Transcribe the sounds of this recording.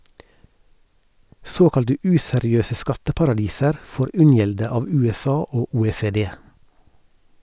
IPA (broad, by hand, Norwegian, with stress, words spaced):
ˈsoːkɑltə ˈʉːsɛɾɪˌøːsə ˈskɑtəpɑɾɑˌdiːsəɾ ˈfoːɾ ˈʉnjɛldə ˈɑːʋ ˌʉːɛˈsɑː ˈoː uːeːseːˈdeː